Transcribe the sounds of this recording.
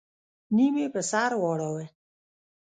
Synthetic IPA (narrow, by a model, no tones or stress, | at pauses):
nimepəsaːɾwɔːɽawe